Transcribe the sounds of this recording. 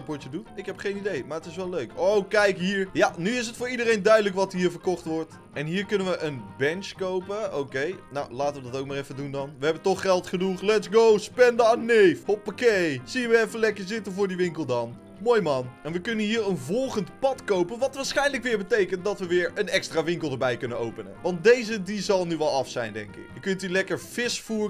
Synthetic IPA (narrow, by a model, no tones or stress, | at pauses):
pɔt͡ʃədutɪkɦɛpχejnidejmaːɹətɪsʋɛløɥkowkɛjkɦiːɹjanyɪs̬ətfʊːɹidəɾejndœɥdələkʋɑtɦiːɹvəɹkɔχtʋɔɹt | ɛnɦiːɹkʏnənʋəʔənbɛnt͡ʃkowpəo̰wkejnawlaːtəʋədɑtowk̚maːrɛfədundɑnʋəɦɛbəntɔχːɛlˠtχənuχlɛtsɡowspɛndəaːnnejfhopːakesiənʋəɛfəlɛkəɹzɪtənvʊːɹdiʋɪŋkəlˠdɑn | moːjmɑnɛnʋəkɵnənɦiːɹənvɔlˠχəntpɑtkowpənʋɑtʋaːɹsχɛjnləkʋɪːɹbətejkənt̚dɑtʋəʋɪːɹənɛkstraːʋɪŋkəlˠdəɹbɛjkɵnənowpənə̰ʋɑnt̚dejzədizɑlˠnyʋɛlˠɑfsɛjndɛŋkɪ̰kjəkɵntylɛkəɹfɪsfu